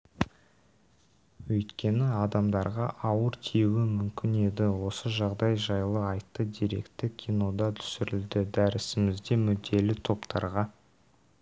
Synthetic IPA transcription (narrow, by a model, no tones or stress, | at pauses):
wɵjt̪kʲe̞nɪɑd̪ɑmd̪ɑɾʁɑʔɑwəɾt̪ʰijwɪmʏmkʲɪne̞d̪ɪwo̞səʒɑʁd̪ɑjʒɑjlˠəɑjt̪ːəd̪eɾe̞̰kt̪ɪkʲʰino̞d̪ɑt̪ʰʏ̥sɪɾɪld̪ɪd̪æɾɪsɪmɪzd̪e̞mʏd̪ːe̞lɪt̪ʰo̞pt̪ʰɑ̰ɾʁɑ